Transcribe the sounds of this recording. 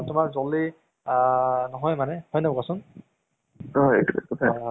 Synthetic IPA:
tʊmaɹzɔli | nɔɦɔjmanɛhɔjnɔbkasʊn | ɦɔḛtukutʰa

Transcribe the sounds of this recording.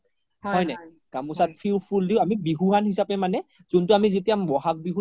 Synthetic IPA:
hɔjna | kamusat̚pʰiwpʰuldiʊ̃amibiɦuɦanɦisapɛmanɛ | zʊntʊamizetiambɔɦak̚biɦu

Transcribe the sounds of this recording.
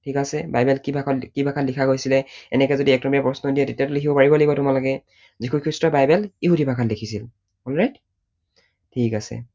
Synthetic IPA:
tʰikasɛbajbɛlkibakibʱakʰatlikʰaɡojsilɛɛnɛkɛzodiɛk̚tɔmijapɹɔsnodijɛtetiatʊlekʰibɔpaɹibɔlaɡibɔtʊmalokɛ | zikʰukʰɹistɔbajbɛliɦudibʱakʰatlekʰisil | ɔlɹajt | tʰikasɛ̰

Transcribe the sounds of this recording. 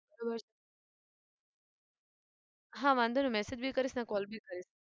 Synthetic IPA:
bɐɾobəɾs | ɦãːʋãːnd̪ʱonumɛsed͡ʑbʱiːkəɾisnakɔːlbʱiːkəɾis

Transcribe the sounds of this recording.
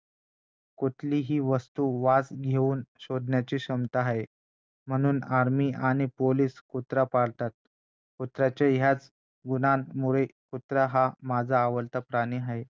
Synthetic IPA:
kot̪ʰliːɦiːʋəst̪uːʋad͡zɡʱeuːnɕod̪njat͡ɕiːɕəmt̪aɦae | m̤əɽ̃uːnaɾmiːʔaɽ̃ipoliːskut̪ɾapaɽt̪at̪̚ | kut̪ɾat͡ɕeɦjat͡s | ɡunanmuɭekut̪ɾaɦamad͡zʱaːʋəɾt̪apɾaɽ̃iːɦaɦe

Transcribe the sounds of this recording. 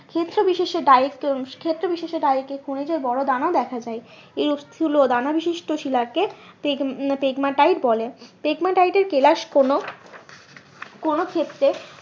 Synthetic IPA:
kʰet̪ːɾobiʃeʃeɖaekkʰet̪ːɾobiʃeʃeɖajekekʰunid͡ʑaɾbɔɽod̪anaod̪ɛkʰad͡ʑae | eɾut̪ʰiulod̪anabiʃiʃʈoʃilake | pepeɡmaʈajʈbɔlepeɡmaʈajʈeɾkelaʃkono | konokʰet̪ːɾe

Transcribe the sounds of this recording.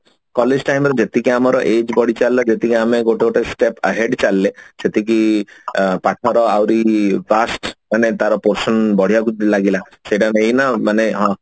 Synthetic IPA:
kɔled͡ʒʈajmɾed͡ʒet̪ikiamaɾɔʔed͡ʒbɔɽ̤it͡ʃalːad͡ʒet̪ikiameɡoʈekoʈesʈepə̰ɦeɖt͡ʃalːeset̪ik̬i | paʈʰaɾɔawɾibasʈmanet̪aɾɔpoɾsɔnbɔɽ̤ijakud̪ilaɡila | sejʈanejnamaneɦɔ̃

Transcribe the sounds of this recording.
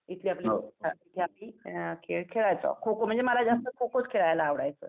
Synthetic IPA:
it̪liːapliait̪ʰiapiːkʰekʰeɭajt͡sɔ̰kʰokom̤əɳd͡zemaɾad͡zast̪əkʰokot͡skʰeɭajlaːʋɽa̰jt͡sə̰ː

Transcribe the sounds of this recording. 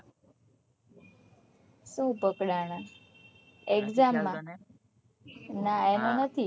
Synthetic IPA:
ʃũpəkɽaña | ekzamːã | naenonət̪ʰi

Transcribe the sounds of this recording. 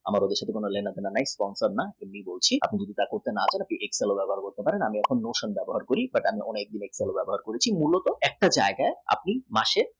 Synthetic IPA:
amaɾod̪eʃat̪ʰekonolenad̪enanajspɔnsaɾnaemnibolt͡ɕʰia̰pnid͡ʑod̪it̪akoɾt̪enat͡ɕaenapniʔekselobɛboɦaɾkoɾt̪epaɾenamiɛkʰonːoʃonbɛboɦaɾkoɾibaʈamiʔonek̚d̪inekselobɛboɦaɾkoɾet͡ɕʰimulot̪oɛk̚ʈad͡ʑaeɡaea̰p̚nimaʃe

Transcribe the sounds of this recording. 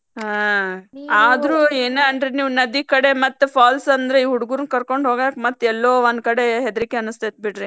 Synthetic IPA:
ɦa | aːd̪ɾueːneɐɳɖɾiniːʋnɐd̪ikɐɽe̞mɐt̪ːpʰaːlsɐnd̪ɾeiːɦuɽuɡuɾunkɐɾko̞ɳɖɦoːɡak̚mɐt̪ːɛlːoːʋɐnd̪kɐɽe̞ɦɛd̪ɐɾikːeɐnust̪ɐt̪̚biɽɾi

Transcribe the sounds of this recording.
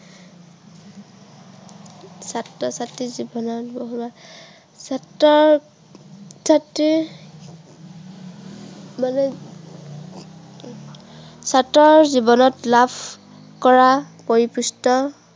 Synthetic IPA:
satːɔsatːizibɔnɔtboɦuma | satːɔɹ | satːi | manɛ | satɔɹzibɔnɔtlapʰ | kɔɹapoɹipustɔ

